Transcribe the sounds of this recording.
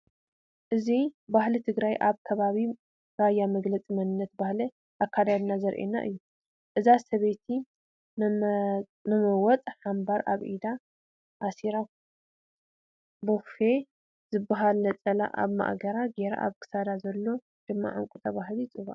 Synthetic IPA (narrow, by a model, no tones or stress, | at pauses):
ʔɨzibahlit̪ʰɨɡɾajʔaβkʰɐβaβi | bajːamɐɡlɐt͡sʼimɐnɨnːɐt̪bahlɐ | ʔakʰːad̪ad̪nazɐɾʔḛnːa̰ʔɨ̰jːu | ʔɨzasɐβet̪ʰi | nɨmɐwɔt͡s̪ʼħambaɾa̰βʔid̪a | ʔːsiɾa | bɨxfe | zɨbːaɦalnɐt͡sʼɐla̰ʔa̰βma̰ʔɡɐɾaɡeɾa̰ʔa̰βkʰɨ̥sad̪azɐlːo̞ | d̪̥ɨmːa̰ʕṵŋkʼut̪ʰɐβaɦlit͡sʼɨβaʔ